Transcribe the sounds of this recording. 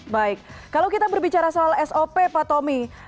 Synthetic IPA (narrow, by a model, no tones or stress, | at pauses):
baɪk̚ːalowkit̪abərbit͡ʃaɾasoalɛsopepat̪ɔmi